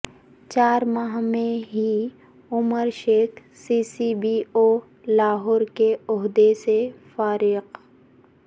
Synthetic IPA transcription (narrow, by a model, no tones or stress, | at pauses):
t͡ʃaːɾmaɦmẽɦi | ʊməɾʃeːk | siːsibioː | laːɦɔːɾkeʊɦd̪esefaːɾɪq